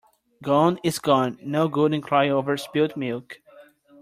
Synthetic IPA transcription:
ɡɔ̃nɪzɡɔ̃nːoʊɡʊdɨ̃nkʰl̥aɪoʊvə˞spilt̚milˠk

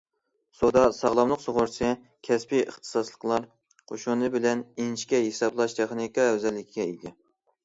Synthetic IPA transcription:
sod̪ɑsɑʁlˠɑmlˠəqsoʁʊɾt͡ʃʰɨ | kʲʰɛspʰiə̰χt̪ʰɨ̥sɑslˠə̥qlˠɑɾ | qʰoʃunɨbɪlɛninʃkʲɛɦesɑblˠɑʃt̪ʰeχnikɑɛwzɛlːɪkʲʰiɡʲɛid̪ɪ

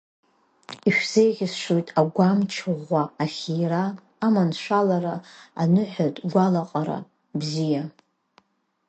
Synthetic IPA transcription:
iʃᶣz̥ejʁʲɪsʃojtʼaɡʷamt͡ʃʰɨʁʷaːχʲijraː | manʃʷalaɾaːnɨħʷatʼɡʷalaqʼaɾa̰ | bzija

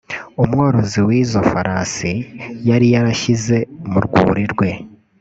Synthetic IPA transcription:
omwaːɾoziwiːzofaɾaːsijaɾijaɾaçize̞muɾɡṵːɾiɾɡwe̞

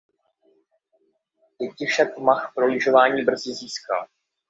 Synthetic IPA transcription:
jɛcɪfʃakmaxpɾolɪʒo̞vaːɲiːbr̩zɪziːska̰l

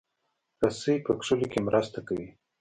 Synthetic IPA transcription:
kasəjpəkʂəlokemɾʔast̪akawi

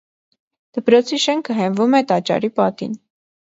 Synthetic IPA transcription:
d̪̥əpɾɔt͡sʰiʃɛŋkʰəɦɛɱvumɛt̪ɑt͡ʃɑ̰ɾipɑt̪ḭn

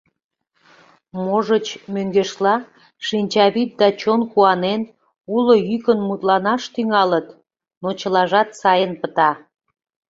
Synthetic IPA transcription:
moʒət͡ɕmøŋɡeʃlɑ | ʃinʲt͡ɕɑβit̪̚d̪ɑt͡ɕonkuɑnen | ulojykənmut̪lɑnɑʃt̪yŋɑlət̪ | not͡ɕəlɑʒɑt̪sɑjənpət̪ɑ

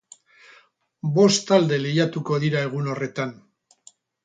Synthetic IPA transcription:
bo̞st̪ald̪e̞lejat̪uko̞ðiɾae̞ɣ̞uno̞re̞t̪an

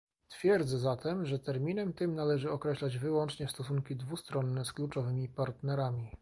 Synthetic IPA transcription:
t̪fʲjɛɾd̪zɛzat̪ʰɛmʐɛt̪ɛɾmʲinɛmt̪ɘmnalɛʐɘɔkɾɛɕlad͡ʑvɘwɔnt͡ʂɲɛst̪ɔs̬uŋkʲid̪vust̪ɾɔnːɛsklut͡ʂɔvɘmʲipaɾt̪nɛɾamʲi

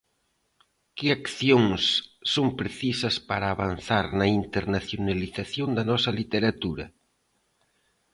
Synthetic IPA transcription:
kɪakθjoŋsːoŋpɾeθisɐspaɾaːβan̟θaɾnɐint̪eɾnaθjonaliθaθjond̪ɐnɔsɐlit̪eɾat̪uɾɐ̰

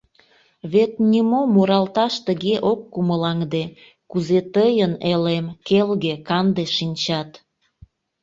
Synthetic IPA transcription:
βet̪nʲimomuɾɑlt̪ɑʃt̪əɣeʔokːuməlɑŋd̪e | kuzet̪əjənelemkelɣekɑnd̪eʃinʲt͡ɕɑt̪

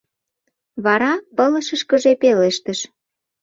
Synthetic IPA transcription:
βɑɾɑpələʃəʃkə̆ʒepeleʃt̪əʃ

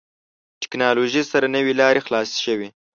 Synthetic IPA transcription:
ʈɪ̥knɑloʒisaɾanəwilɑɾexlɑsʃəwi

